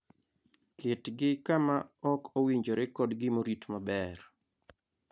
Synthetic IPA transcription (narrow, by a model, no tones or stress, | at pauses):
kɪtɡɪkamaɔkowiɲd͡ʒoɾekɔdɡɪmoɾitmabɛr